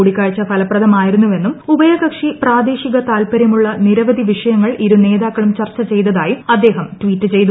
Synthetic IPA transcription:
uːɽikːaːɻt͡ɕːɐpʰɐlɐprɐd̪ɐmaːjiɾunːuʋe̞nːumubɐjɐɣɐkʂipraːd̪eːɕiɣɐt̪aːlpɐɾjɐmuɭːɐniɾɐʋɐd̪ʱiʋiʂɐjɐŋːɐɭʔiɾune̞ːd̪aːkːɐɭumt͡ɕɐrt͡ɕːɐt͡ɕe̞jt̪ɐðaːjiɐd̪ːe̞ːɦɐmtʋiːtːɨt͡ɕe̞jt̪u

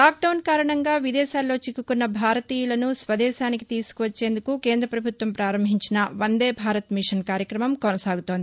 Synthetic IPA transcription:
laːk̚ɖɐwnkaːɾɐɳɐŋɡaːʋid̪ɛːʃaːlːo̞ːt͡ʃikːukunːɐbʱaːɾɐt̪iːjulɐnusʋɐd̪ɛːʃaːniki̥t̪iːsu̥kuʋɐt͡ʃːe̞ːnd̪ukuke̞ːnd̪ɾɐpɾɐbʱut̪ʋɐmpɾaːɾɐmbʱiɲt͡ʃinɐʋɐnd̪eːbʱaːɾɐt̪miʂɐnkaːɾjɐkɾɐmɐmkonɐsaːɡut̪o̞ːnd̪ii

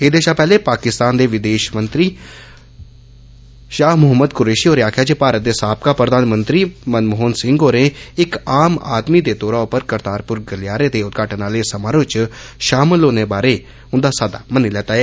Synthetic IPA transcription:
ɦɪd̪eːʃaːpɛːleːpaːkɪst̪aːnd̪eːʋɪd̪eːʃmənt̪ɾiː | ʃaːɦmʊɦəməd̪kʊɾeːʃiːoːɾeaːkʰjaːd͡ʒepaːɾət̪̚d̪eːsaːp̚kaːpɾəd̪aːnmənt̪ɾiːmənmʊɦonsɪ̃ŋɡoːɾẽːɪkaːma̰ːd̪miːd̪eːt̪oːɾaːʊpəɾkəɾt̪aːɾpʊɾɡəlɪjaːɾeːt̪eːʊt̪ɡaːʈənaːleːsəmaːɾot͡ʃ | ʃaːməlːoːneːbaːɾeː | ʊnd̪aːsaːd̪a̰ːməniːlɛːt̪aːɛː

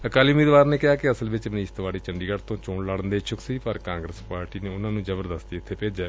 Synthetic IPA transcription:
əkaːliːʊmiːd̪ʋaːɾneːkɪaːkɪəsəlʋɪt͡ʃmniːst̪ʋaːɽiːt͡ʃəɳɖiːɡəɽt̪õːt͡ʃõːɳləɽənd̪eːt͡ʃʰʊksiːpəɾkãːŋɡɾəspaːɾʈiːneːʊnãːnũːd͡ʒəbəɾd̪əst̪iɪt̪ʰːeːpeːd͡ʒaː

